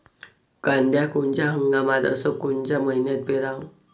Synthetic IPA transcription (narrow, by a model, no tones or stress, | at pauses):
kãnd̪jakuɳt͡ɕjaɦəŋɡamat̪ə̰səkuɳt͡ɕaməɦinət̪̚beɾaw